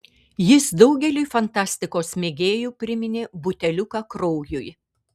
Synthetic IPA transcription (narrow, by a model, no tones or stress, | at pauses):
jɪsd̪ɒʊɡʲɛlʲʊjfɐnt̪ɑːsʲt̪ʲɪkoːsmʲeːɡʲeːjuːpʲɾʲɪmʲɪnʲebʊt̪ʲɛlʲʊkɑkɾɔʊjʊj